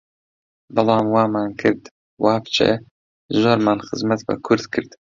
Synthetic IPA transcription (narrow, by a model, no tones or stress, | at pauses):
bɨlˠɑːmwɑːmaːnkʰɨɾd̪ | wɑːft͡ʃʰɛ̰ | zoːɾmaːnxɨzmɐt̪̚bɐ̰kʰʊɾd̪kʰɨɾd̪